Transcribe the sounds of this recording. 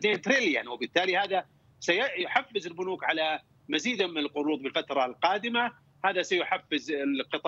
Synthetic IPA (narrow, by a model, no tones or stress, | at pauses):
ent̪ɾɪljanwɪbɪt̪ːaːlihaːða | sajajʊħafːɪzɪlbʊnuːkʕala | maziːd̪mɪnɪlqʊɾˤuːd̪ˤbɪlfat̪ɾˤɑlqɑːd̪ɪma | haːðasajʊħafːɪzɪqɨt̪ˤ